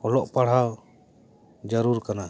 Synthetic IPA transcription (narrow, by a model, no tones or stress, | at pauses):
ɔlɔʔpaɽ̤aw | d͡ʒəɾuɾkana